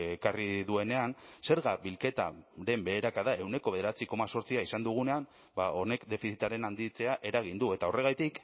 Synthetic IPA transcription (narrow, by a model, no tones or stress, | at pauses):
kariðue̞ne̞anse̞ɾɣaβilke̞t̪a̰ɾe̞mbe̞ːɾakaðae̞wne̞ko̞βe̞eɾat͡siko̞maso̞ɾt͡siaisand̪uɣ̞une̞am | bao̞ne̞kd̪e̞fisit̪aɾe̞nand̪it͡se̞aʔe̞ɾaɣ̞ind̪ue̞t̪ao̞re̞ɣ̞ajt̪ik